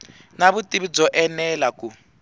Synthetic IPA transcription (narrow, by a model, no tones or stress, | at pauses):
naβutʼiβid͡zɔʔɛnɛlaku